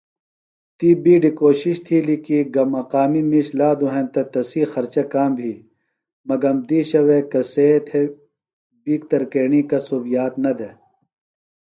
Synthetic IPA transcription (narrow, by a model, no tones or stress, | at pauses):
t̪iːbiːɖikoːɕiɕt̪ʰiːlikiɡɐmɐqaːmimiɕlaːd̪uɦẽnt̪ɐt̪ɐsiːxɐɾt͡ɕɐkaːmbʱiː | mɐɡɐmd̪iːɕɐwekɐseːt̪ʰe | biːk̚t̪ɐɾkeːɳikɐsoːbijaːt̪nɐd̪e